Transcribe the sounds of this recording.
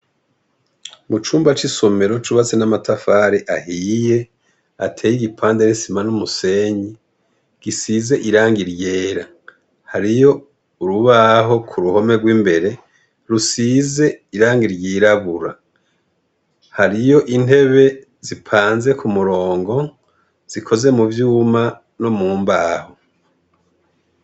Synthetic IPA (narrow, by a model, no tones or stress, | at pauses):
mut͡ʃuːmbat͡ʃiso̞me̞ɾo̞t͡ʃuβat͡senamatafaɾiʔahije̞ | atʰeːjiɡipʰaːndeɾisimanumuse̞ɲi | ɡ̥isizeʔiɾaːŋɡiɾje̞ːɾa | haɾijo̞ | uɾuβaɦo̞kʰuɾuho̞me̞ɡwiːmbe̞ɾe̞ | ɾusize̞iɾaːŋɡiɾjiːɾaβuɾa | haɾijo̞ʔin̥e̞βe̞ | zipʰaːnze̞kʰumuɾo̞ːŋɡo̞ | z̥ikʰo̞ze̞muvjuːma | nomuːmbaːho